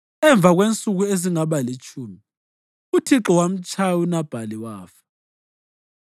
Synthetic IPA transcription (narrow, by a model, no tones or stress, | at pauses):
ɛɱb̪vʱaɣwent͡sʼuɣueziŋaβalit͡ʃʼʰuːmi | utʰiǁɔwam̩t͡ʃʼʰawunab̥ʱaliwaːfɛ̥